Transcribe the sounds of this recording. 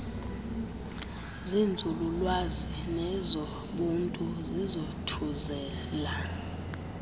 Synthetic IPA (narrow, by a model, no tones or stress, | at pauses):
zind͡zʱululwazi | nɛzɔ | ɓuntʼuzizotʰuzɛː | la